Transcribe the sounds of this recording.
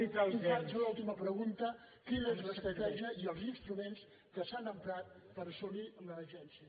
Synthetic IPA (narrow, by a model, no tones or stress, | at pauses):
it̪amazəlulˠt̪iməpɾəɣunt̪ə | kinəezləst̪ɾət̪ɛʒiəʔiəlˠzinst̪ɾumens | kəsanəmpɾat̪̚ | pəɾəsuniəmləəʒɛnsiə